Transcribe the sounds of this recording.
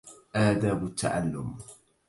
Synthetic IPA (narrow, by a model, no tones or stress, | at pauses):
ʔaːd̪aːbʊt̪ʰːa̰ʕa̰lːʊm